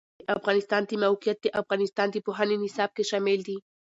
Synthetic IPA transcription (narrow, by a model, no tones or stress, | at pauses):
ʔafɣanist̪ant̪imawkjat̪ːiʔafɣanist̪ant̪ipoɦaninisap̚keʃameld̪i